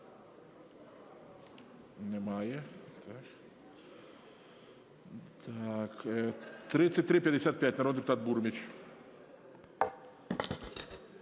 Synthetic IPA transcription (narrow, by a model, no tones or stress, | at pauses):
nʲɪmajət̪ʰak | t̪akət̪ɾʲit̪sɨtʲt̪ɾʲipʲdʲɪsʲat̪̚pʲætʲnɐɾond̪ʲɪpʊt̪at̪̚buɾmʲɪt͡ɕ